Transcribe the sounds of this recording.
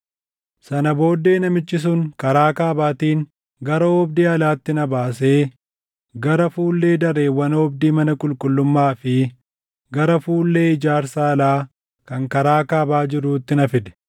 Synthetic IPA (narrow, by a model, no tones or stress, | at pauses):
sɐnɐbo̞ːd̪ːe̞ːnɐmɪt͡ʃːɪs̬ʊŋkɐɾaːkaːbaːt̪iːŋ | ɡɐɾɐɔbd̪iːɐlaːt̪ːɪnɐbaːs̬e̞ː | ɡɐɾɐfuːlːe̞ːd̪ɐɾe̞ːwːɐnɔbd̪iːmɐnɐkʼʊlkʼʊlːʊmːaːfɪ | ɡɐɾɐfuːlːe̞ːɪd͡ʒaːɾsaːɐlaː | kɐŋkɐɾaːkaːbaːd͡ʒɪɾuːt̪ːɪnɐfɪd̪ɛ̥